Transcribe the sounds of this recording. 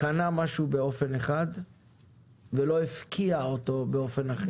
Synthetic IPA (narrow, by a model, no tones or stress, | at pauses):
kanamaʃube̞o̞fe̞neχad | ve̞lo̞ifkʰiaoto̞be̞o̞fe̞naχe